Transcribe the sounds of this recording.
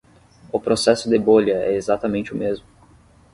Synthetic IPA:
ʊpɾosɛsʊd̪eboʎɐɛ̰ezat̪ɐmẽnt͡ʃɪʊmezmʊ

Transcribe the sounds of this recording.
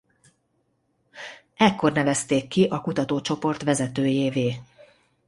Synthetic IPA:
ɛkːo̞rnɛvɛst̪eːkːiʔɒkut̪ɒt̪oːt͡ʃo̞po̞rt̪ʋɛzɛt̪øːjeːveː

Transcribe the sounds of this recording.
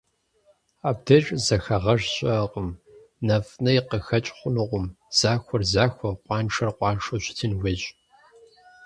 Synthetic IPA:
aːbdɐt͡ʃʼzɐxɐʁɐʒɕʼɐqʼəm | nɐfnɐjiqəxɐt͡ʃʼχʷʊnɨʁʷʊm | z̥aːxʷɔrzaːxʷɔqʷɑːnʈ͡ʂʰɐrqʷʼɑːʂoɕɪtʰɨnweɕʼ

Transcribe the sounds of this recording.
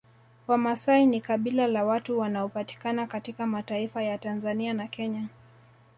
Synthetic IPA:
wamasainikaɓilalawatuwanaɔpati̥kanakatikamataifajatanzanianakɛɲa

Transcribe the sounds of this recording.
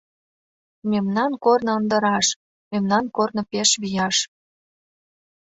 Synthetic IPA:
memnɑnkornɤ̆ənd̪ə̆ɾɑʃ | memnɑnkornɤ̆peʃβijɑʃ

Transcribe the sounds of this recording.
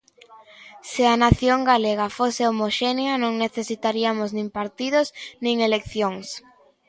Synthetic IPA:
sɪanaθjoŋɡaleɣafoseomoʃeneanõŋneθesit̪aɾiamʊznĩŋpaɾt̪iðʊsnĩŋelekθjoŋs

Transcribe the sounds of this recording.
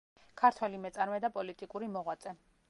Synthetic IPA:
kʰaɾt̪ʰwɛlimɛt̪sʼaɾmɛd̪apʼɔlit̪ʼikʼuɾimɔʁwat̪sʼɛ

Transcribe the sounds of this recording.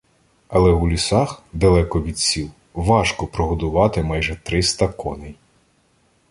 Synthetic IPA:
ɐlˠɛulʲisɑxd̪ɐlˠɛkɔʋʲid̪̚sʲiw | ʋɑʃkɔpɾɔɦɔd̪ʊʋɑt̪ɪmɑjʒɛt̪ɾɪst̪ɐkɔ̰nɪj

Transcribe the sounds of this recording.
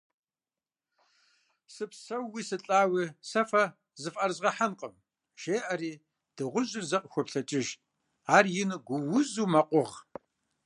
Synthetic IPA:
sɨpsɐwːiːsɨɬʼaːwisɐfɐ | zɨfʔɐrzʁɐħanqʼəm | ʒ̥eːʔɐɾiː | d̥ɨʁʷʊʑɪrzɐqʼəxʷɔpɬɐt͡ʃʼɪʒ | aːrjɪnɨɡʷʊwʊzuːmɐqʷʼʊʁ

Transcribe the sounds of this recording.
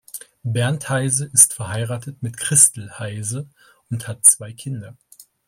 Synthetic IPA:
bɛɐnthaɪzəʔɪstfɛɐhaɪʁaːtətmɪtkʁ̥ɪstl̩haɪzə | ʊnthat̚t͡sv̥aɪkʰɪndɐ

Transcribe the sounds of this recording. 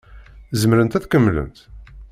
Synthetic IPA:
zəmɾənt̪æθkəmːlə̰nt̪

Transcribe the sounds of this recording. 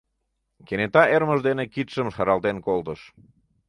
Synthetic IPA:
kenet̪ɑerməʒd̪enekit̪ʃəmʃɑɾɑlt̪enkolt̪əʃ

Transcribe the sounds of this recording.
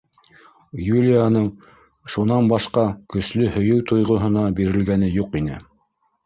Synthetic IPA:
julʲijanɤɴ | ʃunɑnbɑʃqɑkɵ̆ʃlɵhɵ̆jɵwt̪ojʁŏɦɤ̆nɑbiɾɘ̆lɡænɘjuqinɘ̰

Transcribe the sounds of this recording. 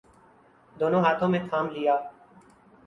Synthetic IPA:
d̪oːnõːɦaːt̪ʰõːmẽːkʰaːmlɪjaː

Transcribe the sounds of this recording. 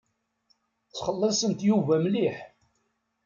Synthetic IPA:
t͡sːχəlˤːɑsˤənt̪juvæmliħ

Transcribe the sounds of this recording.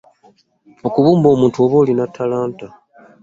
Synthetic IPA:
okuβuːmbo̞ːmuːntuo̞βo̞ːlinatʰːalaːnta

